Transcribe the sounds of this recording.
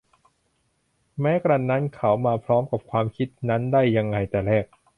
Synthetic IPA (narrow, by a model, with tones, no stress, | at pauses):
mɛː˦˥kɾa˧˩nːa˦˥nkʰa˩˦˥wmaː˧pʰɾɔː˦˥mka˨˩p̚kʰwaː˧mkʰi˦˥t̪̚na˦˥ndaː˥˩jːa˧ŋːa˧jt̪ɛː˨˩ɾɛː˥˩k̚